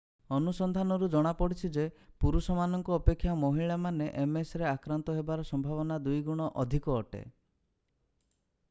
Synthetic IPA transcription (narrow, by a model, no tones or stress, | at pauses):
ɔnusɔnd̪ʱanɔɾud͡ʒɔɽ̃apɔɽit͡ʃʰid͡ʒepuɾusɔmanɔŋkɔːpekʰːjamɔɦiɭamaneʔemesɾeakɾant̪ɔɦebaɾɔsɔmbʱaβɔnad̪ujɡuɽ̃ɔʔɔd̪ʱikɔːʈḛ